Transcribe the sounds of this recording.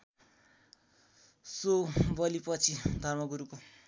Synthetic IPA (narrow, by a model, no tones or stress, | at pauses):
sobʌlipʌt͡sʰid̪ʱʌrmʌɡuɾuko